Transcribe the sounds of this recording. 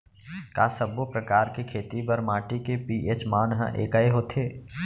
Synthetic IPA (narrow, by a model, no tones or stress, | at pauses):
kaːsɐbopɾəkaːɾkekʰeːt̪ibɐɾmãːʈikepiːʔeːt͡ʃmaːnɦə̰̃ʔḛːkaeɦoːt̪ʰeː